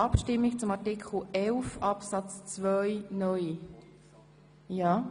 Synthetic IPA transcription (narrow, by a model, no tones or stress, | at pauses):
ɑpʃtɪmːikt͡sʊmɑɾtɪkχl̩ɛlfɑpsɑt͡st͡svœjnœʏ | jaː